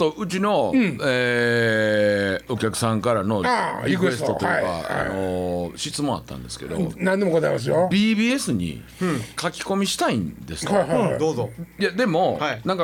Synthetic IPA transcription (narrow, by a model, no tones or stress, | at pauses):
t̪o̞ɯ̟t͡ɕinõ̞e | o̞kʲakɯ̟̥sãŋkaɾano̞aikɯeesst̪o̞t̪oj̰ka̰a̰no̞ɕit͡sɨmõ̞a̰t̪ːã̰nd̪e̞sɨ̥ked̪o̞̰nãnd̪emokot̪aimas̬ɨjobʲiːbʲiːe̞sɨɲ̟ḭ | kakʲi̥ko̞mʲiɕi̥t̪aḭ̃nd̪e̞sɨ̥ajhad̪oːzojad̪e̞mo̞ainãŋka